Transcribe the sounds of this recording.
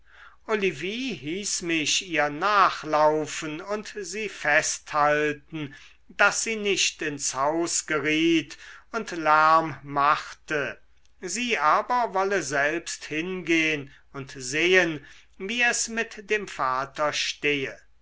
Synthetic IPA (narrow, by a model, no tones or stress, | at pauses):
ʔoliviːhiːsmɪʃiːɐnaːχlaʊfənʊntziːfɛsthaltn̩ | dasz̥iːnɪʃtɪnshaʊsɡ̥əʁiːtʊntlæɐmːaχtə | ziːʔaːbɐvɔləzɛlpsthɪnɡeːən | ʊntzeːən | viːɛsmɪtd̥eːmfaːtɐʃteːə